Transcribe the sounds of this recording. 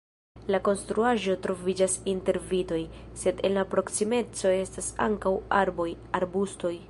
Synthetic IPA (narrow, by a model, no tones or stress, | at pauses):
lako̞nstɾuaʒo̞tɾo̞vid͡ʒasinte̞ɾvito̞jse̞de̞̰nlapɾo̞ksime̞t͡so̞e̞stasa̰ŋkawaɾboj | aɾbusto̞j